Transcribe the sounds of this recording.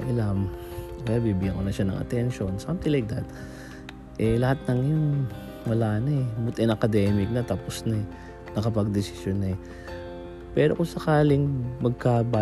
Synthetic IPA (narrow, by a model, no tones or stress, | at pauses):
ʔɐlamkɐjabibɪɡankonɐʃanɐ̰ŋɐ̰t̪ɛnʃo̞nsamt̪ɪŋlajk̚d̪ɐt̪̚ | ʔɛlɐhat̪̚nɐŋjʊŋ | mɐlaːnɐɛbʊt̪ɐnɐkɐd̪ɛmɪk̚nɐt̪aːposnɐɛ | nɐkɐpɐɡ̚d̪ɪsɪ̥ʃjonːɐɛ | pɛːɾokosɐkaːlɪŋmɐɡ̚kaba